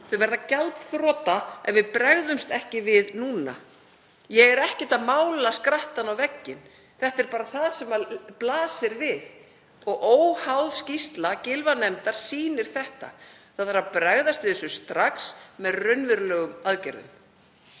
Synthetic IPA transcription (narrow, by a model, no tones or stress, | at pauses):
θœvɛɾðacalt̪θɾɔːt̪aɛvɪðpɾɛɣðʏmst̪ɛhcɪvɪðnuːna̰ | jɛɣɛɾɛhcɪt̪aðmaːwlaskɾaht̪anawvɛcːɪn | θɛht̪ɛɾpaːɾaθaðsɛmaplaːsɪɾvɪð | ɔɣʔoːwhawðscist̪lacɪlvanɛmt̪aɾ̥siːnɪɾ̥θɛht̪a̰ | θaðθaɾapɾaɣðast̪vɪðɛsʏst̪ɾaksmɛðrʏnvʏɾlœːɣʏmaðcɛɾðʏ̰m